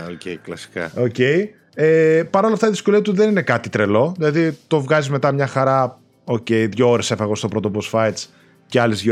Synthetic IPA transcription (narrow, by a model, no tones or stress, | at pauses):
ocʲeklɐsi̥kɐ̰oce̞i | epɐɾo̞lɐft̪ɐiðisko̞liɐt̪uðe̞ninekɐt̪it̪ɾe̞lo̞ðilɐðit̪o̞vɣɐzizme̞t̪ɐmɲɐxɐɾɐ | o̞ce̞jðʝooɾesefɐɣo̞st̪o̞pɾo̞t̪oposfɐjt̪s | ceɐlizðʝo